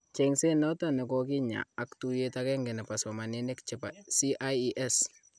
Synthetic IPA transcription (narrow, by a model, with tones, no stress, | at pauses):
t͡ʃe˨ŋse˦nɔ˦tɔne˨kɔki˦ɲa̰˨a˨ktu˨jetakɛ˦ŋɡe˨nɛ˨pasɔma˨ni˦nɪ˦kt͡ʃɛ˨pa˨si˦ʔajʔɛ˦s